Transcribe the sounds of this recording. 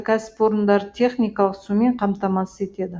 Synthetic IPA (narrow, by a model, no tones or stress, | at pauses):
kʲʰæsɪ̥pwo̞ɾənd̪ɑɾt̪ʰe̞χnʲijkɑlˠəqsume̞ɴqʰɑmt̪ɑmɑsə̥e̞t̪e̞d̪ɪ